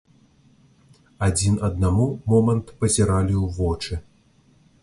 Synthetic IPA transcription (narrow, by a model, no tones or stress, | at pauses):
ad͡zʲinɐd̪namumɔmɐnt̪pɐzʲɛɾalʲiwvɔt͡ʂɨ